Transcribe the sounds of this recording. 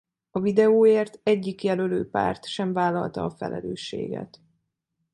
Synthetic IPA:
ɒvid̪ɛoːeːrt̪ɛɟːikjɛløløːpa̰ːrt̪ʃɛɱvaːlːɒlt̪ɒːfɛ̰lʔɛløːʃːḛːɡɛ̰t̪

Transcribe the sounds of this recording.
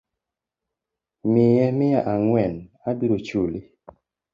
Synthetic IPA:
mijɛmijaʔaŋwɛnadiɾot͡ʃuli

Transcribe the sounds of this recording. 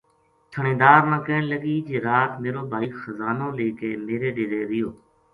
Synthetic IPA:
t̪ʰəɳẽːd̪aːɾnəkəɪɳləɠiːd͡ʒeːɾaːt̪meːɾoːbʱaːiːxəzaːnõːleːkeːmeːɾeːɗeːɾeːɾɪjoː

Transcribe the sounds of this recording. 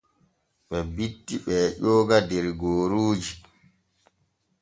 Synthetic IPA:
ɓɛbitːiɓɛːʄɔːɡadɛɾɡoːɾuːd͡ʒi

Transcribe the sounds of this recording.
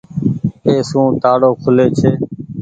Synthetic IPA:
eːsũːt̪aːɽoːkʰʊleːt͡ʃʰeː

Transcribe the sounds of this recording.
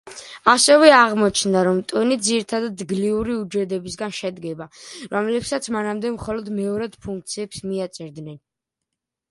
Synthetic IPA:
asɛvɛaʁmɔt͡ʃʰnd̪aɾɔmt̪ʼunid̪ziɾit̪ʰad̪ad̪ɡliuɾiud͡ʒɛd̪ɛbisɡanʃɛd̪ɡɛbaɾɔmlɛpsat̪sʰmanamd̪ɛmχɔlɔd̪mɛɔɾad̪̥pʰuŋk̚t̪sʰiɛpsmiat̪sʼɛɾd̪nɛn

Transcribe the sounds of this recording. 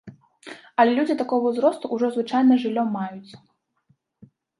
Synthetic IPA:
ɐlʲɛlʲud͡zʲit̪akɔɣɐzɾɔst̪uʔːʐɔzvɨt͡ʂajnɐʐɨlʲːɔmːajut̪sʲ

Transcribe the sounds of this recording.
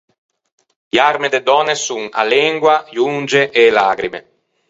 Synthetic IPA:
armed̪ed̪ɔːnesuŋa̰lɛŋɡwaʎund͡ʒeʔelaːɡɾimḛ

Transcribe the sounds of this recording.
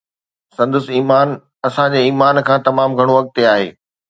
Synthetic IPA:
sɐ̃nd̪əsiːmaːn | ɐsãd͡ʑeːiːmaːnkʰãːt̪ɐmaːmɡʱɐɽ̃oʋɐk̚t̪eaːɦḛː

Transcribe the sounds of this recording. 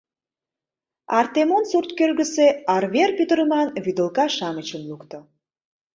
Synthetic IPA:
ɑrt̪emonsurt̪kølɣəseɑrβerpyt̪əɾəmɑnβyd̪ə̆lkɑʃɑmət͡ɕəmlukt̪o

